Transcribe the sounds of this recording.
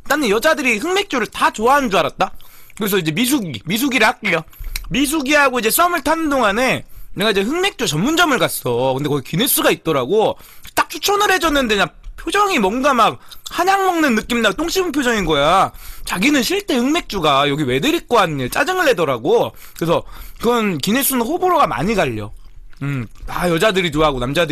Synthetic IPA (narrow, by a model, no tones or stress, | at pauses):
t͈anɯnjʌd͡ʑadɯɾiɸɯŋme̞k̚t͡ɕ͈oɾɯɭtat͡ɕoaɦnnd͡ʑuaɾat̚t͈akɯɾe̞s̬ʰʌid͡ʑe̞mis̬ʰuɡimis̬ʰuɡiɾɯɭhak̚k͈ijʌmis̬ʰuɡiɦaɡoid͡ʑe̞s͈ʌmɯɭtʰanɯndoŋane̞eŋɡaid͡ʑe̞ɸɯŋme̞k̚t͡ɕ͈ot͡ɕʌmːund͡ʑʌmɯɭkas͈ʌkɯndekʌɡikine̞s͈uɡait̚t͈ʌɾaɡo | t͈ak̚t͡ɕʰu̥t͡ɕʰʌnɯɾɦe̞d͡ʑʌnːɯnde̞ɲapʰjod͡ʑʌŋimʌnɡamak̚haɲaŋmʌŋnɯnːɯk͈imdat͈ʰoŋɕ͈ipʰumpʰjod͡ʑʌŋinɡʌjat͡ɕaɡinɯnɕʰiɭt͈e̞hɯŋme̞k̚t͡ɕ͈uɡajʌɡiwe̞dɯɾik̚k͈oanɯɲet͡ɕ͈ad͡ʑɯŋɯɭhe̞dʌɾaɡo | kɯɾesʰʌkɯɾʌnkine̞s͈unɯnɸoboɾoɡama̰ɲiɡaʎːʌ̰ɯmtajʌd͡ʑadɯɾit͡ɕoaɡonamd͡ʑad